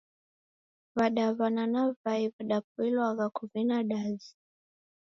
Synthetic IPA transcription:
vaɗavananavaivaɗap̚uilwaɣakʰuvinaɗazi

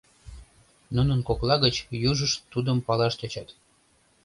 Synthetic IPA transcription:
nunənkoklɑɣət͡ɕjuʒəʃt̪ːud̪əmpɑlɑʃt̪ʲɑt͡ɕɑt̪

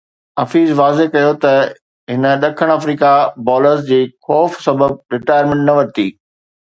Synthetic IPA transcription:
ɐfiːzʋaːzeɦkɐjot̪ɐ | ɦɪnə̆ɗɐkʰəɽ̃ɐfɾiːkabɔːləɾs̬d͡ʑiːxɔːfsɐbəb̚ɾɪʈaːjəɾmɪ̃ɳʈnɐʋɐɾt̪ḭː

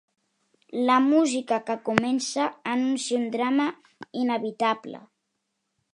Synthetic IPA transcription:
ləmuzikakəkumɛnsəːnunsynd̪ɾamə | inəβit̪ablə̰

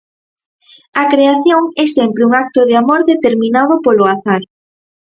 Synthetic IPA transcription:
ɐkɾeaθjoŋɛsɛmpɾɪuŋak̚t̪ʊðɪamoɾðet̪eɾmĩnað̞opolʊaθaɾ

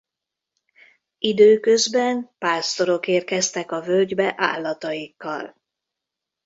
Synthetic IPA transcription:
id̪øːkø̞zbɛnpaːst̪o̞ɾo̞keːrkɛst̪ɛkɒvølɟbɛʔa̰ːlːɒt̪ɒjikːɒ̰l

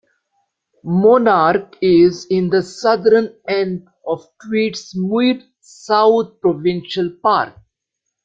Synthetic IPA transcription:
mɔːnaːɾkɪzɪ̃nd̪əsʌd̪əɾənɛ̃ɳɖ | ɔʋʈʋiːʈsmuɖ | saʊt̪̚pɾoʋɪ̃nʃəlpaːɾk̚

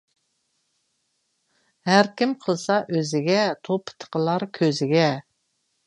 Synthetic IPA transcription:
hæɾkʲimqʰəlˠsɑʔøzɪɡʲɛt̪ʰopʰːɨ̥t̪ʰːə̥qəlˠɑɾkʲʰøzɪɡʲɛ

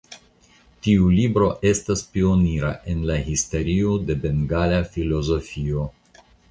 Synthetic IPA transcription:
tiulibɾo̞ʔe̞staspio̞niɾaʔe̞nlaɦiste̞ɾiode̞be̞ŋɡalafilo̞zo̞fio̞

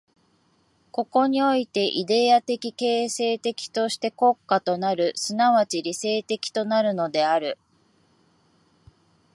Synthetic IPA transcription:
ko̞ko̞ɲ̟io̞it̪e̞ʔid̪e̞at̪e̞kʲike̞ːse̞ːt̪e̞kʲi̥t̪o̞ɕi̥t̪e̞ko̞kːat̪o̞naɾɯ̟sɨnaβat͡ɕiɾʲise̞ːt̪e̞kʲi̥t̪o̞naɾɯ̟no̞d̪e̞aɾɯ̟

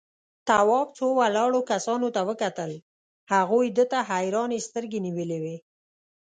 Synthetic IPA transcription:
t̪awɑbt͡sowalɑɽokasɑnot̪awəkat̪əl | haɣujd̪ət̪aɦajɾɑnest̪əɾɡeniwəlewe

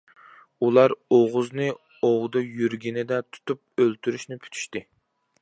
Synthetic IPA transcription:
ulˠɑɾoʁʊznɨ | owd̪ɨjyɾɡʲinɪd̪ɛt̪ʰu̥t̪up̚ølt̪ʰyɾyʃnɪpʰy̥t̪ʰy̥ʃt̪ɪ

